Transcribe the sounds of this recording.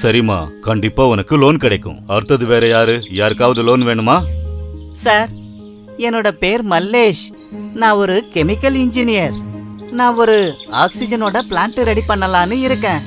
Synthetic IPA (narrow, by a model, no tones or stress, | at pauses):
sɐɾɪma̰ːkɐɳɖɪpːaːʊnɐkːɯloːnkɪɽɐɪkːʊ̰̃ɐɾɯt̪ːɐðɯʋeːɾɐjaːɾɯjaːɾɯkːaːʋɐðɯloːnʋeːɳɯmaː | saːɾ | ɛnːoːɽɐpeːɾmɐlːeːʂ | nãːɔɾɯkɛmɪkːɐlɪɲd͡ʒɪnɪjɐɾnãːɔɾɯaːksɪd͡ʒɐnoːɽɐplaːɳʈɯɾɛɽipɐɳːɐlãːnɯɪɾɯkːẽː